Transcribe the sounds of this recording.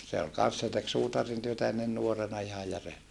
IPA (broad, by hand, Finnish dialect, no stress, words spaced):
se ol kɑn̞s se tek suːtɑrintyøtæ enːen nuorenɑ ihɑj jære